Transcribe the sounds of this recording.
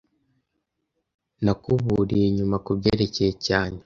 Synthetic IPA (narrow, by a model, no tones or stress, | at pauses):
nakuβuɾieɲumakubɟeːɾe̞cejecaːɲe